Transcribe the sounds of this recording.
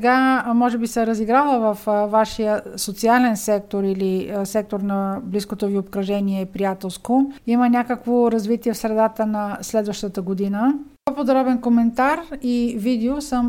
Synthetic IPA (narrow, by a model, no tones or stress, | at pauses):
ɛɡamɔʒɛbisɛɾəziɡɾalˠəvɐfvaʃijəsot̪sialɛnsɛk̚t̪oɾilisɛk̚t̪oɾnɐbliskot̪oviopkɾɐʒɛniɛpɾijat̪ɛlˠskoimənʲakəkvoɾɐzvit̪iɛfsɾɛd̪at̪ənɐslɛd̪vəʃt̪ət̪əɡod̪inəpopod̪ɾɔbɛnkomɛnt̪aɾivid̪ɛosəm